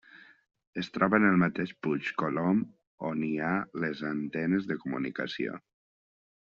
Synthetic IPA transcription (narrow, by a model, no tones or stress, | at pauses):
əst̪ɾɔβənəlˠmat̪eʃput͡ʃkolom | onialezant̪ɛnəzðəkumṵnḭkasio̰